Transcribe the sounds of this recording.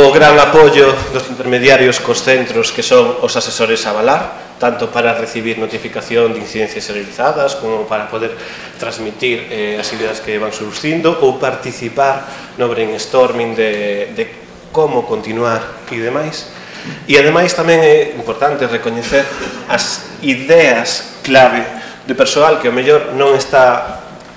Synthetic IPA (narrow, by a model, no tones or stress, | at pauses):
ʊɣɾaŋapoʎod̪ʊsint̪eɾmeðjaɾjoskosθent̪ɾoskesoŋosasesoɾɪsaβalaɾ | t̪ant̪ʊpaɾɐreθiβiɾnot̪ifikaθjoŋd̪in̟θiðen̟θjɐseɾeliθaðɐskomʊpaɾɐpoðeɾ | t̪ɾazmit̪iɾɛɐsiðeɐskeβaŋsuɾθind̪ʊʔowpaɾt̪iθipaɾ | noβɾeŋest̪oɾmĩŋd̪ed̪e | komʊkont̪inwaɾiðemajs | iaðemajst̪amɛ̃ŋɛimpoɾt̪ant̪ɪrekoɲeθeɾɐs | iðɛɐsklaβe | d̪epeɾsoalkeomeʎoɾnõŋest̪a